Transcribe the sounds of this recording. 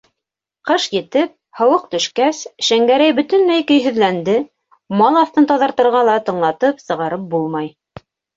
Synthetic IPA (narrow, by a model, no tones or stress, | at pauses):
qɤʃjɘ̆t̪ɘp̚hɤ̆wɤq̚t̪ɵ̆ʃkæsʃæŋɡæɾæjbɵ̆t̪ɵ̆nmæjkɵ̆jɦɵ̆ðlænd̪ɘ | mɑlˠɑθt̪ɤnt̪ɑðɑɾt̪ɤ̆ɾʁɑlˠɑt̪ɤ̆ɴlˠɑt̪ɤpsɤ̆ʁɑɾɤp̚bulˠmɑj